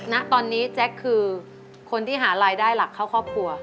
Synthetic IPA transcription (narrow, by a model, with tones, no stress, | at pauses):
na˦˥ʔt̪ɔː˧nːiː˦˥t͡ɕɛ˦˥kʰːɯː˧ | kʰo˧nt̪ʰiː˥˩ɦaː˩˦ɾaː˧jdaː˥˩jla˨˩kʰːa˥˩wkʰɔː˥˩p̚kʰu˧ɐ